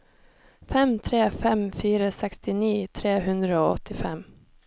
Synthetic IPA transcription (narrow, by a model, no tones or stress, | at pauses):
fɛmt̪ʰɾeːfɛmfyːɾəsɛkst̪ɪniːt̪ʰɾeːɦɵnd̪ɾaoːɔ̰t̪ʰːɪfɛ̰m